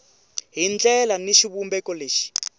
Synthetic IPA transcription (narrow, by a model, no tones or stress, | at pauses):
ɦind͡ɮɛlaniʃiβumbɛkɔleːʃi̥